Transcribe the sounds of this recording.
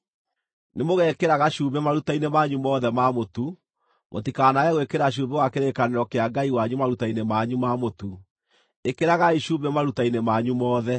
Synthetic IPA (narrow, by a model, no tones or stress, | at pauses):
nemoɣɛkeɾaɣaʃuːbɛmaɾutainemaɲumɔːðɛmamotu | mʔo̰tikanajɛɣwekeɾaʃ̬uːmbewakeɾekaneɾɔkeaɡaiwaɲumaɾutainemaɲumamotu | ekeɾaɣaiʃuːbɛmaɾutainemaɲumɔːðɛ